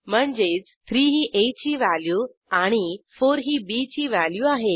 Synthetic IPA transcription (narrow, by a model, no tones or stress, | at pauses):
m̤əɳd͡zet͡st̪ʰɾiːɦiːʔet͡ɕiːʋæljuː | aɽ̃ifoɾɦiːbit͡ɕiːʋæljuːaɦe